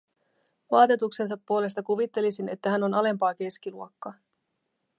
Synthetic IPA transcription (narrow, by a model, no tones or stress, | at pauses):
ʋɑːt̪et̪ukse̞ns̬ɑpːuo̞le̞s̬t̪ɑkuʋit̪ːe̞lisine̞t̪ːæɦæno̞nɑle̞mpɑːke̞skiluokːɑ